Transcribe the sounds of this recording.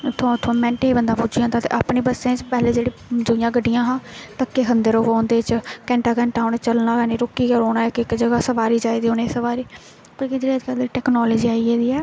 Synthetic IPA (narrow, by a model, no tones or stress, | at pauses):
t̪ʰːãt̪ʰoãːmɛ̃ːɳʈẽːbənd̪aːpʊd͡ʒiãːd̪aːt̪ḛːʔaːpɳeːbəsẽːt͡ʃpɛɦleːd͡ʒeːɽiːd̪ʊjãːɡəɖːɪjãːɦãːt̪əkːeːɦənd̪əɾoːʋaːnd̪eːt͡ʃkɛ̃ːɳʈaːkɛ̃ːɳʈaːnɛːt͡ʃəlnaːkɛːneːɾʊkːiːkəɾoːnaːɪkɪkd͡ʒəɡaːsəʋaːɾiːd͡ʒaːid̪iːʊnẽːsəʋaːɾiː | pokid͡ʒeːəd͡ʒkəɾd̪eːiʈɛːknɔːləːd͡ʒiːaːiɛːd̪iːɛː